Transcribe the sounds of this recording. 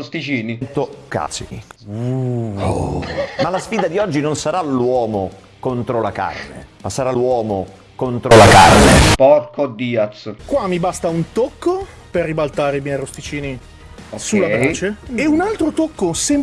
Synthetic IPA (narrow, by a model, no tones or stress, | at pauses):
ost̪it͡ʃiːnint̪oka̰ːt̪sḭnḭu | malasfiːd̪ad̪iɔd͡ʒːinonsaɾalwɔːmo | kont̪ɾolaka̰rnḛmasːaɾalːwɔːmo | kont̪ɾolaka̰rnḛpɔrkod̪iːat̪skwamːibast̪aunt̪okːo | perːibalt̪aːɾeimjɛjrost̪it͡ʃiːni | sulːabɾat͡ʃeeunalt̪ɾot̪okːosɛm